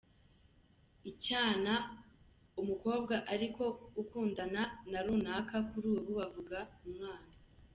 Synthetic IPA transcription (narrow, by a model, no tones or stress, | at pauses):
icaːna | umuko̞ːbɡaʔaɾikʰo̞ukuːndananaɾuːnaːkakuɾuːβuβavuɡaumŋaːna